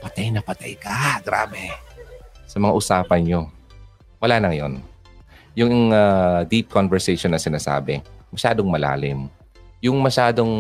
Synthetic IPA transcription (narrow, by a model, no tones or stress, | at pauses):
pɐt̪ajnɐpɐt̪a̰jkɐɡɾa̰ːbɛ | sɐmɐŋa̰ʔʊsaːpɐnɲo̞ | wɐlaːnɐŋɐjo̞̰n | jʊŋŋad̪ip̚konvɛɹsɛjʃonːɐsɪnaːsa̰ːbɛmɐʃaːd̪o̞ŋmɐla̰ːlɪm | jʊŋmɐʃaːd̪o̞ŋ